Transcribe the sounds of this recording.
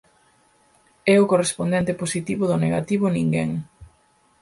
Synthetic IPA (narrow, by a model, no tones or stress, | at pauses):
ɛʊkorespond̪ɛnt̪eposit̪iβʊðʊneɣat̪iβʊnĩŋɡɛŋ